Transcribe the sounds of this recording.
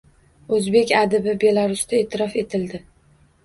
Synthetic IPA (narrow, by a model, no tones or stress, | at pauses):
ɵzbe̞kʲad̪ɪbɪbe̞laɾʊst̪ʰae̞ːt̪ʰɪɾɒfe̞t̪ʰɪld̪ɪ